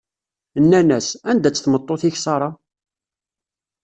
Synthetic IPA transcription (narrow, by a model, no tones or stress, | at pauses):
nːænæsænd̪æt͡sːθmət̪ˤːoθiçsɑɾˤɑ